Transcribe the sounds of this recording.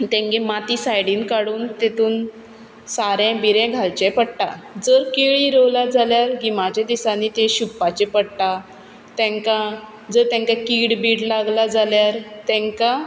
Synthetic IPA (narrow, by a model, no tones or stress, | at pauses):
t̪ɛ̃ŋɡemat̪iːsajɽiːnkaɽuːnt̪et̪uːn | saɾɛ̃biɾɛ̃ɡʱalt͡ɕẽpəɽʈa̰d͡zəɾkeɭiɾowlad͡zaljaɾɦimad͡ʑad̪isãnit̪eɕupːat͡ɕepəɽʈa | t̪ɛ̃ŋka | d͡zəɾt̪ɛ̃ŋkakiːɽbiːɽlaɡlad͡zaljaɾt̪ɛ̃ŋka